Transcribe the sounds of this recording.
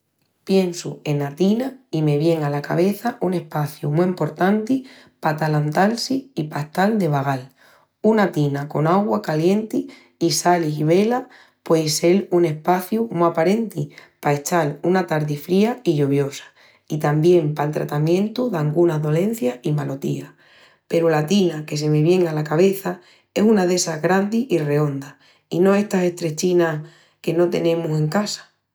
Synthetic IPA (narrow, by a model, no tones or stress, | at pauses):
pje̞nsue̞nat̪inaime̞βje̞ŋalaka̰βe̞θaʔune̞hpaθjumuempo̞ɾt̪ant̪i | pat̪alant̪alsiipaht̪ald̪e̞β̞aɣal | unat̪inako̞naɣwakalje̞nt̪iː | saliɦiβ̞e̞la | pwese̞lune̞hpaθjumuapaɾe̞nt̪ipae̞t͡ʃalunat̪aɾðifɾiaiʎuβjo̞sḁ | it̪ambje̞mpalt̪ɾa̰t̪amjẽ̞nt̪uðaŋɡunaðo̞lẽ̞n̟θjaimalo̞t̪ḭa | pe̞ɾulat̪inake̞se̞meβje̞ŋalakaβ̞e̞θa | e̞sunaðe̞saɦɣɾand̪iʔire̞o̞nd̪a | inõ̞e̞ht̪ase̞ht̪ɾe̞t͡ʃina | ke̞no̞t̪e̞̰nẽ̞muse̞ŋkasḁ